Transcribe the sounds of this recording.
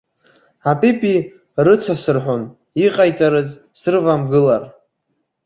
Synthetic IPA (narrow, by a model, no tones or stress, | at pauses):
apʼipʼi | rɨt͡sʷʰasɨrħʷon | iqʼajt͡sʼaɾɨz | sɨrvamɡɨlar